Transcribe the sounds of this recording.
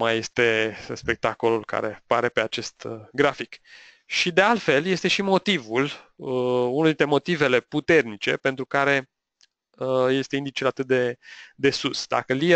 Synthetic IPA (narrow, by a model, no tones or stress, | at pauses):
maje̞st̪e̞spek̚t̪ako̞lulka̰ɾe̞̰paɾe̞pe̞at͡ʃe̞st̪ɡɾafik | ʃid̪e̞alt̪fe̞lje̞st̪e̞ʃimo̞t̪ivuləunuld̪it̪ɾemo̞t̪ive̞le̞put̪e̞rnit͡ʃe̞pe̞nt̪ɾukaɾe̞ | əje̞st̪e̞ind̪it͡ʃelat̪ɨt̪̚d̪e̞d̪e̞susd̪a̰kəli